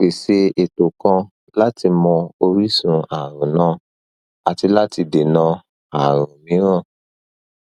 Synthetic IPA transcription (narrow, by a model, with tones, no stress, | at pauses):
k͡pe˨se˧e˨to˨kã˧ | la˦ti˧mɔ̃˧o˧ɾi˦sũ˨˧a˨ɾ̃ũ˨nã˦ | a˨ti˧la˦ti˧de˨nã˧ | a˨ɾ̃ũ˨mĩ˨˦ɾ̃ã˦˨